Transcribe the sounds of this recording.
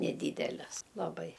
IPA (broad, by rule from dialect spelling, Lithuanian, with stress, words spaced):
nʲɛˈdʲiːdʲɛlʲɛs lˠɐˈbɐɪ